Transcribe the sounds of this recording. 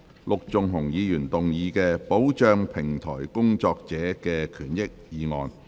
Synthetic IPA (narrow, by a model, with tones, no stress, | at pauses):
lʊ˨k̚t͡sʊ˨ŋɦʊ˨˩ŋjiː˨˧jyː˨˩nt̪ʊ˨ŋjiː˨˧kɛː˧po˨˥wt͡ʃœː˧ŋpʰɪ˨˩ŋt̪ʰɔ̰ː˨˩jkʊ˥ŋt͡sɔː˧k̚t͡sɛː˨˥kɛː˧kʰyː˨˩njɪ˥k̚jiː˨ŋɔ̰ː˨˧n